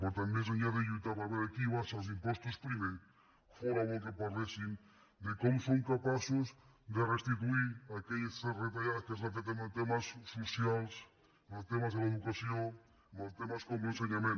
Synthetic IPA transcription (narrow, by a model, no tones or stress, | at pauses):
poɾt̪anmes̬aɲaðeʎujt̪apaɾβeɾakiβasals̬impost̪ospɾimẽ | foɾaβont̪epaɾlesiŋ | d̪ekomosoŋkapasoz | d̪erest̪it̪̬uiɾakeʎesθeret̪aʎaðakezlat̪et̪emaðet̪emasːusjals | mat̪emazðelaeðukaθjoŋ | maðet̪emaskomens̬eɲamẽn